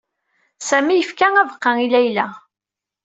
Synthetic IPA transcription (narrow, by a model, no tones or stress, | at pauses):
sæmijəfkæævqːɑilæjlæ